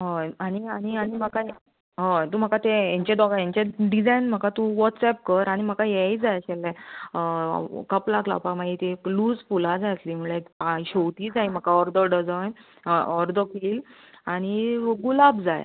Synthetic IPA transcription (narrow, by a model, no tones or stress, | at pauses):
ɦəaɽ̃iaɽ̃ianim̤əka | ɦə̃t̪um̤əkat̪ejɛ̃ɲt͡ɕed̪ɔɡajãɲt͡ɕeɖid͡zajnm̤əkat̪uʋɔtsɛp̚kəɾaɽ̃im̤əkajejd͡zajɕɛlːɛ | kəplakla̰pamaɡit̪ekluːd͡zfulad͡zajt̪lim̤uɭekpaɕowt̪iːd͡zajm̤əkaɔɾd̪əɖəd͡zajn | ɔɾd̪əkiːl | aɽ̃iɡulabd͡za̰j̰